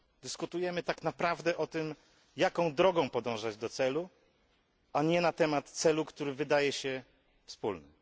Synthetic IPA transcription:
d̪ɘskut̪ujɛmɘt̪aknapɾavd̪ɛʔɔt̪ɘm | jakɔ̃w̃d̪ɾɔɡɔ̃w̃pɔd̪ɔ̃w̃ʐad͡ʑd̪ɔt̪sɛlu | aɲɛnat̪ɛmat̪t̪sɛlukt̪uɾɘvɘd̪ajɛɕɛ | fspṵlnɘ

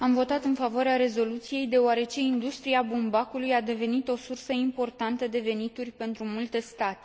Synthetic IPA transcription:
amvo̞t̪at̪ɨnfavoaɾeaɾe̞zo̞lut̪sije̞jd̪e̞oaɾe̞t͡ʃe̞ind̪ust̪ɾiabumbakulujad̪e̞ve̞nit̪o̞sursəimpo̞rt̪ant̪əd̪e̞ve̞nit̪urʲpe̞nt̪ɾumult̪e̞st̪at̪e̥

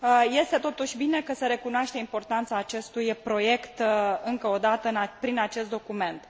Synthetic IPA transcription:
je̞st̪e̞t̪o̞t̪uʃʲbine̞kəsəɾe̞kunoaʃt̪eimpo̞rt̪ant̪saːt͡ʃe̞st̪ujpɾo̞je̞kt̪ɨŋkəo̞d̪at̪əɨnapɾinat͡ʃe̞st̪d̪o̞kume̞nt̪

